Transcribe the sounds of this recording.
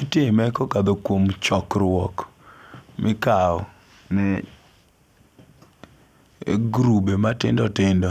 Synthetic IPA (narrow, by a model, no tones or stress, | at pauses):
itemɛkɔkad̪okwomt͡ʃɔkɾwɔk | mʔɪkaɔ | nɛ | ɡɾubematɪ̰ndɔtɪndɔ